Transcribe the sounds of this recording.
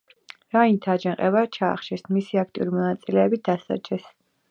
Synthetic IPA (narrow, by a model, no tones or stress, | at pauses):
ɾaint̪ʰad͡ʒɛŋqʼɛvat͡ʃʰa̰ːχʃʰɛsmisiak̚ʰt̪ʼiuɾimɔnat̪sʼilɛːbid̪̥asa̰d͡ʒɛs